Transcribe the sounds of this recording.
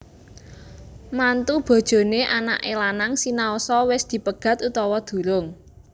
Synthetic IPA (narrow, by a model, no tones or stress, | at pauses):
mant̪ub̥ɔ̤d̥ʒ̥o̤neʔana̰ʔelanaŋsinaosɔwɪsd̪̥i̤pəɡ̥ä̤t̪ut̪ɔwɔd̪̥ṳɾʊŋ